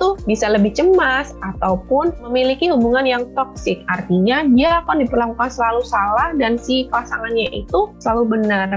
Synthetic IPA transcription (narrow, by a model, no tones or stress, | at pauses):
t̪ubisaləbɪht͡ʃəmasat̪awpʊnməmilikihubuŋanjaŋt̪ɔk̚sɪk̚art̪iɲadiaːkandipərlakukansəlalusalahdansipasaŋanɲaʔit̪usəlalubənər